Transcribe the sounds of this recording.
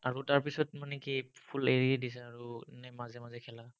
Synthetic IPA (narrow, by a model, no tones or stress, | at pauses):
aɹutaɹpisɔtmanɛkipʰuleɹiadisɛaɹunɛmazɛmazɛkʰɛla